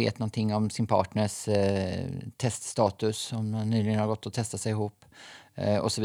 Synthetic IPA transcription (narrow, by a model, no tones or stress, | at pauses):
ḛːt̪nɔnt̪ʰɪŋːɔmsɪnpʰɑ̰ːʈɳəʂ | t̪ʰɛst̪st̪ɑːt̪ɵsɔmːanːyːlɪɡənhaɾɡɔt̪ʰːɔt̪ʰɛst̪asɛɪjɪɦuːpː | ɔ̰sɔvi